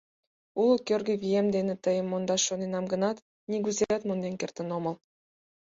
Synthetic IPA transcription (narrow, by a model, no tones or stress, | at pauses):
ulɤ̆kørɡɘ̆βʲijemd̪enĕt̪ə̆jə̆mːond̪ɑʃonenɑmɡɤ̆nɑt̪ | niɡuzeet̪mond̪enkʲert̪ə̆nomɤ̆lˠ